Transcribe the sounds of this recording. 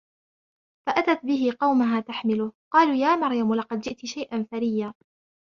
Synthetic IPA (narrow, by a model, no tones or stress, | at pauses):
faʔat̪at̪̚bɪɦɪqɑwmaɦaːt̪aħmɪlʊhqɑːluːjaːmɑɾjamlɑqɑd̪̚d͡ʒɪʔt̪ɪʃajʔanθaɾɪjːaː